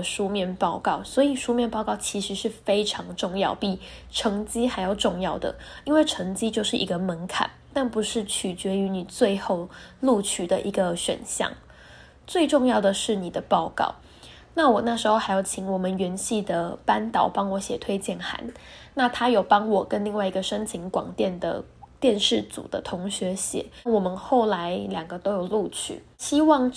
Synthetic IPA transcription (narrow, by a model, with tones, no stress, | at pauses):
ʂu˥mjɛ˥˧npɑ˥˧ʊkɑ˥˩ʊswɔ˧˥i˨˩ʂu˥mjɛ˥˧npɑ˥˧ʊkɑ˥˩ʊt͡ɕʰi˧˥ʂɻ̩˧˦ʂɻ̩˥˩fe˥ɪʈ͡ʂʰɑ˧˥ŋʈ͡ʂʊ˥˧ŋjɑ˥˩ʊpi˨˩ | ʈ͡ʂʰɤ˧˥ŋt͡ɕi˥xa˧˥ɪjɑ˥˧˩ʊʈ͡ʂʊ˥˧ŋjɑ˥˩ʊd̪ə̰˩i˥nwe˥˩ɪʈ͡ʂʰɤ˧˥ŋt͡ɕi˥t͡ɕjo˥˧ʊʂɻ̩˥˩ʔi˧˥ɡə˧mə˧˥nkʰa̰˨˩˦n | t̪a˥˩npu˧ʂɻ̩˥˩t͡ɕʰy˨˩t͡ɕɥɛ˧˥y˧˥ni˨˩t͡swe˥˧ɪxo˥˧ʊlu˥˧t͡ɕʰy˥d̪ə̰˨ʔi˧˥ɡə˧ɕɥɛ̰˨˩nɕjɑ̰˥˩ŋ | t͡swe˥˧ɪʈ͡ʂʊ˥˧ŋjɑ˥˩ʊd̪ə˩ʂɻ̩˥˩ni˨˩d̪ə˦pɑ˥˧ʊkɑ̰˥˩ʊ | na˥˩wɔ˨˩na˥˩ʂɻ̩˧˥xo˥˧ʊxa˧˥ɪjɑ˨˩ʊt͡ɕʰi˧˥ŋwɔ˨˩mə˦nɥɛ˧˥nɕi˥˩d̪ə˩pa˥nt̪ɑ˨˩˦ʊpɑ˥ŋwɔ˧˦ɕjɛ˨˩t̪ʰwe˥ɪt͡ɕjɛ˥˩nxa̰˧˥nna˥˩t̪ʰa˥jo˨˩ʊpɑ˥ŋwɔ˨˩kə˦˥nli˥˧ŋwa˥˩ɪi˧˥ɡə˧ʂə˥ŋt͡ɕʰi˧˥ŋkwɑ̰˨˩ŋt̪jɛ˥˩nd̪ə̰˩ | t̪jɛ˥˧nʂɻ̩˥˩t͡sṵ˨˩d̪ə̰˦t̪ʰʊ˧˥ŋɕɥɛ˧˥ɕjɛ̰˨˩˦wɔ˨˩mə˦nxo˥˩ʊla˧˥ɪljɑ˨˩ŋɡə˩˦t̪o˥ʊjo˨˩ʊlu˥˧t͡ɕʰy̰˨˩˦ɕi˥wɑ˥˧ŋ